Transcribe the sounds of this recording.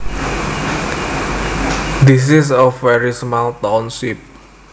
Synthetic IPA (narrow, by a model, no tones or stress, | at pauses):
d̪is̬is̬ɔfwɛɹismalt̪ɔnsip̚